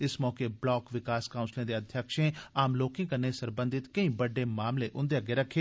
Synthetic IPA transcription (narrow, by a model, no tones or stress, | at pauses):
ɪsmɔːkeːblɔːkʋɪkaːskaːʊ̃nslẽːd̪eːəd̪ʱjəkʃẽːaːmloːkɪ̃kənːeːsəɾbə̃nd̪ɪt̪kəĩːbəɖeːmaːmleʔʊ̃nd̪eaɡeːɾəkʰːeː